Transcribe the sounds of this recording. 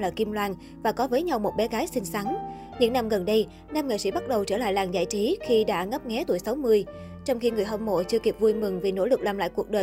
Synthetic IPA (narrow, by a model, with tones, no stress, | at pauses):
laː˨˩ki˧mlwaː˧n | vaː˨˩kɔ˨˦vəː˨˦jɲa˧wmo˨˩t̚ɓɛ˨˦ɣaː˨˦jsï˧ŋ̟sa˨˦ŋ | ɲɨ̰˧˥ŋna˧mɣə˨˩nɗə˧j | naː˧mŋḛ˧˨sḭ˧˥˩ɓa˦˥t̚ɗə˨˩wt͡ɕəː˧˩la̰ː˧˨jlaː˨˩nza̰ː˧˨jt͡ɕi˨˦xi˧ɗa̰ː˧˥ŋə˦˥p̚ŋɛ˨˦t̪u˧˩əjsa˨˦wmɨ˧əj | t͡ɕɔ˧wŋ͡mxi˧ŋɨ˨˩əjɦɔ˧mmo̰˧˨t͡ɕɨ˧əki˨˩p̚vu˧jmɨ˨˩ŋvi˨˩no̰˧˥lɨ˨˩k̚laː˨˩mla̰ː˧˨jku˨˩ək̚ɗəː˨˩